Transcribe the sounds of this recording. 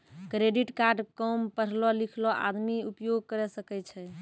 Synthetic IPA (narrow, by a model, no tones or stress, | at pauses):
kɾeɖiʈkaɾɖkɔmpəɽ̤lɔlikʰlɔʔa̰d̪miupjoɡ̚kəɾɛsəkɛt͡ʃʰɛ